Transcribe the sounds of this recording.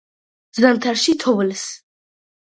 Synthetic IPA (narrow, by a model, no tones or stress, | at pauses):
zamt̪ʰaɾʃit̪ʰɔvls